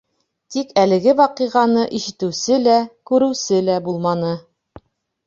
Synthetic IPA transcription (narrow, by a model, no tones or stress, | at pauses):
t̪ikælɘ̆ɡɘwɑqɤʁɑnɤʔiʃɘ̆t̪ɘ̆wsɘlækʉɾɘ̆wsɘlæbulˠmɑnɤ